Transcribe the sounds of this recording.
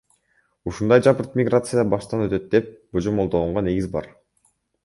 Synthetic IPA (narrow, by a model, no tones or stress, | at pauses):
uʃund̪ɑjd͡ʒɑpɯɾt̪mʲɪɡrat̪sɨjəbɑʃt̪ɑnø̞t̪ø̞t̪̚d̪e̞p̚b̥od͡ʒomo̞lˠd̪olˠuɴʁone̞ɡizbɑ̰ɾ